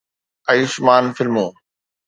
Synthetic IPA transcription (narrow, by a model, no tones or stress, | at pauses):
ɐisʊmaːnfɪlmoː